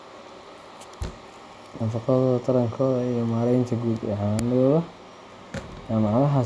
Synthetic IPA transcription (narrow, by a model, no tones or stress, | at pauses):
nɐfɑqɑðɔðɐt̪ʰɐɾɐŋkʰɔːðɐijɞmaːlɛjnt̪ʰɐɡuːd̪ɛ̰ʕanɪɔːðɐ | amɑʕlɐɦɐ